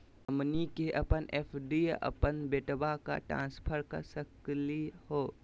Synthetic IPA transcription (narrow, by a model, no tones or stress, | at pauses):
əmnikeʔɐpənʔeːpʰɖiə̰pənbeʈbaka̰ʈɾã̰ːnspʰəɾkɐ̰ɾsəklihoː